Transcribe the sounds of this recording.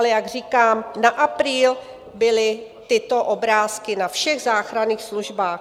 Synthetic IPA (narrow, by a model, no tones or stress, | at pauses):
lɛjaɡr̝iːkaːmnaʔapɾiːl | bɪlɪ | t̪ɪt̪oʔobɾaːskɪnafʃɛɣzaːxɾaniːxsluʒbaːx